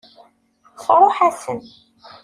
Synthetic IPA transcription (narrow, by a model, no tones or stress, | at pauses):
fɾˤoħæsən